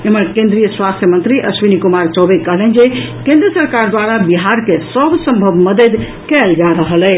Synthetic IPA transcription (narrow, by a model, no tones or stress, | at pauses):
eməɾkẽnd̪ɾijəswast̪ʰjəmənt̪ɾiʔəsʋinikumaɾt͡ʃɔbekəɦlɛnd͡ʒe | kẽnd̪ɾəsəɾkaɾd̪waɾabiɦaɾkesəbsəmbʱəbməd̪əd̪ | kɛld͡ʒaɾəɦəlɛ